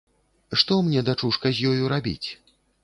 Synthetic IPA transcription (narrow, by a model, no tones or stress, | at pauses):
ʂt̪ɔmnʲɛd̪at͡ʂuʂkɐzʲjɔjuɾabʲḭt͡sʲ